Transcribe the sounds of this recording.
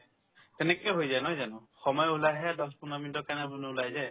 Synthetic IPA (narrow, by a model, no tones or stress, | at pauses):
t̪ɛnɛkɔjɦojzajnɔjzanuxɔmɔjɔulajɦɛd̪ɔspunɔmindɔkanabunuulajzaj